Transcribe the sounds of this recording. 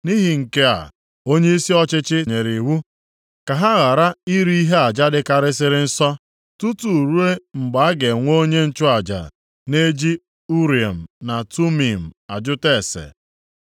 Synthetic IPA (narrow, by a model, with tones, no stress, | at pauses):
ni˦ɦi˨ŋ̩˨ke˦a̰˨ | o˦ɲe˦i˦si˦ɔ˦t͡ʃɪ˦t͡ʃɪ˦ɲe˨ɾi˨wu˦ | ka˨ɦa˦ɣa˨ɾa˦i˦ɾi˦i˦ɦe˦a˨d͡ʒa˦dɪ˦ka˨ɾɪ˦sɪ˦ɾɪ˦n̩˦sɔ˦ | tu˦tu˨ɾu˦e˦ŋ͡m̩˨ɡ͡ba˨a˦ɡe˨ŋʷo˦ɲe˦n̩˦t͡ʃʊ˦a˨d͡ʒa̰˨ | ne˦d͡ʒi˦ | u˦ɾi˨a˨m̩˨na˨tu˦mi˨m̩˨a˨d͡ʒʊ˦te˦˨sḛ˨